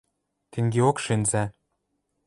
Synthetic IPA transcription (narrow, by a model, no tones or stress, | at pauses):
t̪ʰĕŋɡʲeokʃɘ̆nzæ